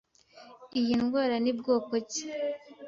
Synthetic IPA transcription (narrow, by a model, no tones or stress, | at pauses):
ijinɡwaːɾanibɡoːkoci̥